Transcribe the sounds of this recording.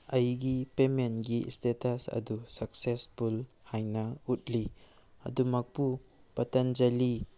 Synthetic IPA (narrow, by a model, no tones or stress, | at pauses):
ɐjɡipementɡistetɐsɐ̰dusɐksespul | hajnɐut̚li | ɐ̰dumɐk̚pu | pɐtɐnd͡ʒɐli